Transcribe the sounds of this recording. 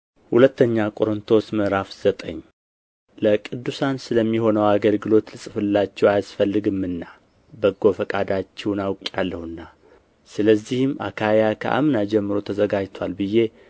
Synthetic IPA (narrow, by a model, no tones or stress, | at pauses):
hulət̪ʰːəɲːakʼo̞ɾɨnt̪ʰo̞sməɾafz̥ət̪ʼə̰ɲː | ləkʼɨd̪ːusansɨləmːiho̞nəwaɡəlɡɨlo̞t̪lɨsʼɨfɨlːat͡ʃːɛwajasfəlːɨɡɨmːɨnːa | bəɡo̞fəkʼad̪at͡ʃːɛwnawkʼjalːəhɨnːa | sɨləzːihɨmːʔa̰kʰajakʰə̰ʔa̰mnad͡ʒɛmːɨɾo̞t̪ʰəzəɡad͡ʒt̪ʰwalbɨje̞